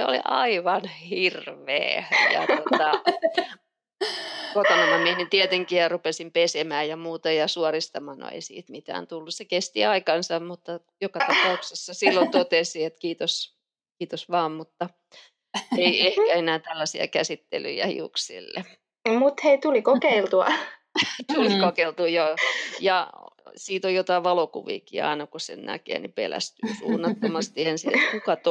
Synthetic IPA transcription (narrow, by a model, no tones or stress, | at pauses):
seo̰lḭʔɑ̰iʋɑnhirʋḛːjɑ̰t̪ot̪ɑ | kok̪onɑmɑmiehint̪iet̪eŋkijɑrupesimpesemæːjjɑmuːt̪ɑjɑsuorist̪ɑmɑːno̰ḛisḭːt̪mit̪æ̰ːnt̪ulːussekest̪ḭɑikɑnsɑmmut̪ːɑ | jokɑt̪ɑpɑuksesːɑsilːont̪ot̪esiet̪kiːt̪os | kiːt̪osʋɑːmmut̪ːɑ | eiehkæenæːt̪ælːæsiɑ̰kæsit̪ːḛly̰jæ̰hḭuksḭlːḛ | mut̪heit̪ulikokeilt̪uɑ̰ | t̪ulikokeilt̪ujojɑsiːt̪ojot̪ɑiʋɑlokuʋḭːkḭːɑ̰inɑkosḛnnæ̰kḛːnipḛlæ̰st̪yːsṵːnːɑt̪ːomɑst̪iensiḛt̪kukɑt̪